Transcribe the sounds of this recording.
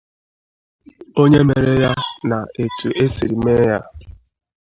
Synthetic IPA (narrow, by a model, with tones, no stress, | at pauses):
o˦ɲe˦me˨ɾe˦ja˦na˨e˨tu˨ʔe˦si˨ɾi˨me˦ja˦